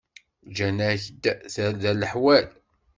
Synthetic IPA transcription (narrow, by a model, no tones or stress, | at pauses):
d͡ʒænæçəd̪θælðæləħwæl